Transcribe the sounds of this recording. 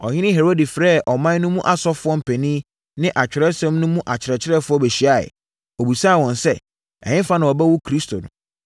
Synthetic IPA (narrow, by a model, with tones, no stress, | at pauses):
ɔ̰˨ɲɪ̃˦nɪ̃˦ɦe˨ɾo˦di˨fɾɛː˦˨ʔɔ˨mã˦n˦nʊ̃˦mũ˦ʔa˨sɔ˦fʊ˨˦ɔ˦m̩˨pʰɛ˨nĩː˦ | nɪ̃˦ʔa˨t͡ɕᶣɪ˨ɾɛ˦sɛ̃˦mnʊ̃˦mũ˦ʔa˨t͡ɕʰɪ˨ɾɛ˨t͡ɕʰɪ˦ɾɛ˦fʊ˦ɔ˦bɛ˨ɕi˨˦a˦˨ɪ̰˨ | o˨bu˨sa˦˨wɔ̃˨nsɛ˦ | ɛ̰˨ɲɪ̃˦fa˦nɪ̃˨ɔ˨bɛ˦wu˦kʰɾi˦stʰo˨nʊ̰̃˨˦